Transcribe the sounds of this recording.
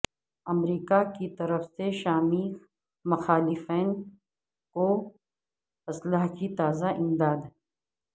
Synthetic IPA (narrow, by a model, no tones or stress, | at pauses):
ɐmɾiːkakit̪ɐɾəfseʃaːmi | mɐxaːlɪfɛːn | ko | ɐslaɦkit̪aːzaʔɪ̃md̪aːd̪